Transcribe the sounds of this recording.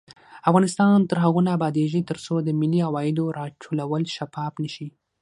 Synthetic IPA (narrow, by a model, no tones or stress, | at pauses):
afɣɑnɪst̪ɑnt̪əɾɦaɣunaːbɑd̪eʒit̪əɾsod̪əmɪliawɑjɪd̪oɾɑʈ͡ʂʰolawəlʃafɑfnəʃi